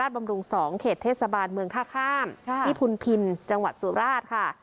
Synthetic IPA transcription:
aː˥˩ba˧mɾu˧ŋsɔː˩˦ŋkʰeː˨˩t̪ʰːeː˥˩t̪̚sa˧baː˧nmɯ˧əŋt̪ʰaː˥˩kʰaː˥˩mji˦˥˩pʰu˧npʰi˧nt͡ɕa˧ŋwa˨˩t̪̚su˨˩˦ɾaː˥˩t̪̚kʰa˥˩

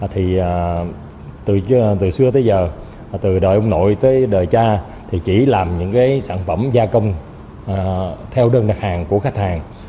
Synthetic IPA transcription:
t̪ʰi˨˩ | t̪ɨ˨˩t̪ɨ˨˩sɨ˧ət̪ə˨˦jzəː˨˩˨ | t̪ɨ˨˩ɗəː˨˩jʔə˧ŋ͡mno̰˧˨jt̪əː˨˦jɗəː˨˩jt͡ɕaː˧ | t̪ʰi˨˩t͡ɕi˧˩laː˨˩mɲɨ̰˧˥ŋkaː˨˦jsaː˧˩nfə˧˩mzaː˧kə˧wŋ͡m | t̪ʰɛ˧wɗəː˧nɗa˨˩k̚haː˨˩ŋku˧˩əxa˦˥k̟̚haː˨˩ŋ

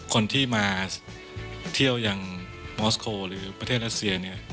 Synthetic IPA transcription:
kʰo˧nt̪ʰiː˥˩maː˧ | t̪ʰi˥˩əwja˧ŋ | mɔː˦˥skʰoː˧ɾɯː˩˦pɾa˧t̪ʰeː˥˩t̪̚ɾa˦˥t̪̚si˧ɐni˥˩ɐ

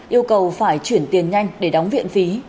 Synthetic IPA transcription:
ʔi˧əwkə˨˩wfaː˧˩jt͡ɕwi˧˩ənt̪i˨˩ənɲa˧jŋ̟ɗe˧˩ɗa˨˦wŋ͡mvḭ˧˨ənfi˨˦

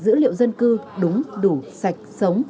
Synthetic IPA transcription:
zɨ̰˧˥lḭ˧˨əwzə˧nkɨ˧ɗʊ˨˦ŋ͡mɗu˧˩sa˨˩jk̟̚sə˨˦wŋ͡m

